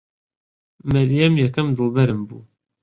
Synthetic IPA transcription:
mæɾjɛmjɛkɐmd̪ɨlˠbɐɾɨmbṵː

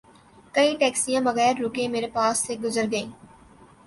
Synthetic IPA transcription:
kɐĩʈɛːksijãːbɐɣɛːɾːʊkẽmeːɾepaːsːeɡʊzəɾɡɐẽː

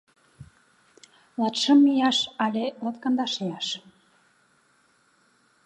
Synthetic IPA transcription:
lɑt̪ʃə̆mːijɑʃɑlʲelɑt̪kɑnd̪ɑʃejɑʃ

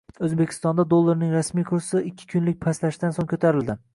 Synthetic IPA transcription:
ɵzbekʲʰɪ̥st̪ɒnd̪ad̪olˠːaɾnɪŋɾasmijkʰʊɾsɪɪkʲʰːɪ̥kʰʊnlɪk̚ʲpʰaslaʃɪd̪ansoŋkʰɵt̪ʰaɾɪld̪ɪ

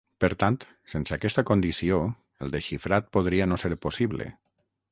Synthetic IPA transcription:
pəɾt̪ant̪ | sensakɛst̪akond̪isio | əlˠd̪eʃifɾat̪̚poð̞ɾianoseɾposiβlḛ

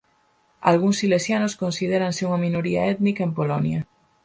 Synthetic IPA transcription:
a̰lɣ̞uŋsilesjanoskonsið̞eɾanseuŋamĩnoɾia̰et̪nikaempolonja

